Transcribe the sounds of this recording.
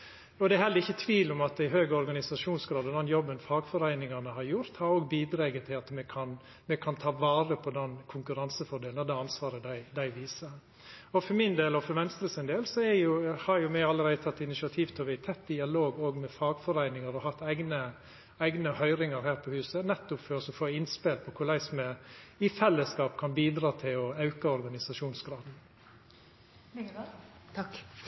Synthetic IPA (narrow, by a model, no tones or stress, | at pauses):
ɔd̪ɛæɾhɛlːəɾɪçːət̪ʰʋiːlʊmɑt̪̚ɪɦøːɡəɔɾɡɑnɪsɑʂuːnsɡɾɑːd̪ɔd̪ɛnjɔbːənfɑːɡfɔɾæɪnɪŋɑnəhɑɾjʊɾt̪hɑɾoːɡbiːd̪ɾeːɡət̪ʰɪlɑt̪mɛkʰɑn | mɛkʰɑnt̪ʰɑːʋɑːɾəpʰɔd̪ɛnkʰʊŋkʉɾɑnsəfɔɖeːlnd̪ɛɑnsʋɑːɾəd̪æɪd̪æɪʋiːsəɾ | ɔfɔɾmɪnd̪eːlɔfɔɾʋɛnst̪ɾəsɪnd̪eːlsɔɛjʊhɑɾjʊmɛɑlːəɾæɪd̪ət̪ʰɑt̪ːɪnɪʃɪɑt̪ʰiːʋt̪ʰɔːʋæɪt̪ʰɛt̪ːd̪ɪɑloːɡoːɡmɛfɑːɡfɔɾæɪnɪŋəɾɔhɑt̪ːæɪɡnə | æɪɡnəhœʏɾɪŋəɾhæːɾpʰɔhʉːsənɛt̪ːʊpfœɾɔsɔfoːɪnspeːlpʰɔkʰʊɾɭæɪsɔmɛɪfɛlːəskɑːp̚kʰɑnbiːd̪ɾɑːt̪ʰɪlɔɑʉkəɔɾɡɑnɪsɑʂuːnsɡɾɑːd̪n | t̪ʰɑk